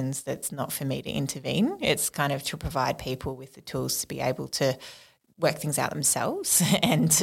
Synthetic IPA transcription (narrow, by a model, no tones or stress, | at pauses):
ɨ̃nzðɨtsnə̰tfə˞miɾɨ̰ʔɪ̰̃ntʰə˞vḭ̃nɪtskʰãɪ̃ndʌv̥tʰəpʰɹ̥əvaɪd̚pʰipʰl̩ˠwɨðɨtʰulˠz̥tʰəbiḛɪbəlˠtʰɨ | wɜ˞k̚θɪ̃ŋzaʊʔ̪̚ðɨ̃msɛ̰lˠvz̥ɨ̃n